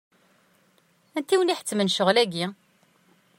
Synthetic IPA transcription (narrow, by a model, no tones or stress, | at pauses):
ænt̪iwniħə̥t͡sːmənʃəʁlæɡi